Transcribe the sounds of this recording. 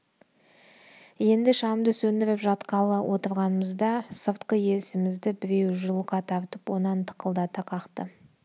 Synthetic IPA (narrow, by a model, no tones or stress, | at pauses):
je̞nd̪ɪʃɑmd̪əsɵnd̪ɪɾɪpʒɑt̪qɑlˠəwʔo̞t̪əɾʁɑnəməzd̪ɑsəɾt̪qəje̞sɪmɪzd̪ɪbɪɾe̞wʒʊlˠqɑt̪ʰɑbt̪əpwo̞nɑnt̪ʰə̥qəlˠd̪ɑt̪ʰɑqʰɑqt̪ə